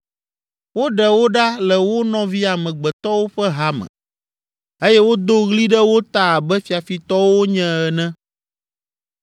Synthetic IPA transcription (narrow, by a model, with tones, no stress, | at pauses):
wo˦ɖɛ˨wo˦ɖa˦lɛ˨wo˦nɔ̃˨vi˦a˨mɛ̃˨ɡ͡bɛ˨t̪ɔ˦wo˦ɸɛ˦ɦa˦mɛ̰̃˨ | e˦jɛ˦wo˦d̪o˦ɣli˦ɖɛ˦wo˦t̪a˦a˨bɛ˦fi˨a˨fi˨t̪ɔ˦wo˦ɲɛ̃˦ɛ˨nɛ̃˦